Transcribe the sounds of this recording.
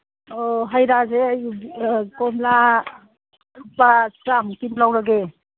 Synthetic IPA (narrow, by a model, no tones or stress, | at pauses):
ɔɦajɾazeaj | kɔmla | ɾupːaskɾamkinlawɾaɡe